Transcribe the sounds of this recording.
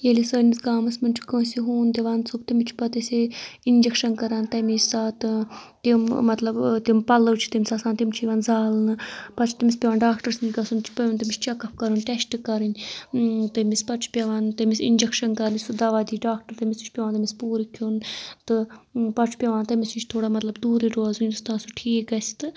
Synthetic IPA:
jelisɨnʲmisɡaːmɐsmɨnt͡ʃʰu̥kosiɦuːnt̪eʋaːnt͡sʰubt̪ɐmit͡ʃʰpɐt̪isiind͡ʒekʃɐnkɐɾaːnt̪ɐmisʲsaːt̪ɨt̪immɐt̪lɐbt̪impɐlɨwt͡ʃʰi̥t̪ɐmʲsasaːnt̪imt͡ʃʰiʋaːnzaːlnɨpɐt͡ʃʰt̪ɐmʲispʲɐʋaːnɖaːkʈɐɾsnd͡ʒʲɡɐsunt͡ʃʰi̥pɐjunʲt̪ɐmit͡ʃʰt͡ʃɐkɐpʰkɐɾɨnʈ̪esʈɨkɐɾɨnʲ | t̪ɐmispɐt͡ʃʰu̥pʲjɐʋaːnt̪ɐmisḭnd͡ʒekʃɐnkɐɾnʲsud̪ɐʋaːd̪iːɖaːk̚ʈɐɾt̪ɐmʲisit͡ʃʰʲpʲɐʋaːnt̪ɐmispuːɾikʰunt̪ɨpɐt͡ʃʰu̥pʲjɐʋaːnt̪ɐmisit͡ʃʰt̪ʰoːɽaːmɐt̪lɐbd̪uːɾiɾoːzunʲd̪ust̪ãːnsuʈʰiːkɐsi̥t̪ɨ

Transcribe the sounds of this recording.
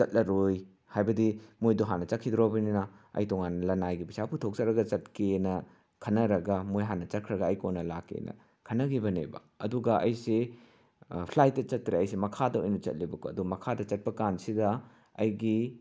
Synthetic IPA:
t͡ʃɐt̚lɐɾoj | hajbɐdimojduɦanːɐt͡ʃɐkʰːidɾobɐninɐɐ̰jtɔŋanːɐlɐnajɡibisapʰutʰok̚t͡ʃɐɾɐɡɐt͡ʃɐt̚kenɐ | kʰɐnːɐɾɐɡɐmojɦanːɐt͡ʃɐt̚kʰɾɐɡɐɐjkonːɐlakːḛnɐ̰ | kʰɐnːɐɡibɐnḛbɐ̰ | ɐ̰duɡɐʔɐ̰jse | pʰlajt̚dɐt͡ʃɐt̚ːɾeɐjsemɐkʰadɐojnɐt͡ʃɐ̰t̚libɐko̰ɐduɡɐmɐkʰadɐt͡ʃɐt̚pɐkansidɐ | ɐjɡi

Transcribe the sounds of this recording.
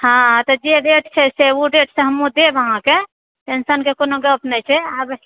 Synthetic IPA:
hãt̪ɔd͡ʒeɖeʈt͡ʃʰɛseuɖeʈsẽɦəmũd̪ebəɦãke | ʈensənkekonoɡəpnɛt͡ʃʰɛab

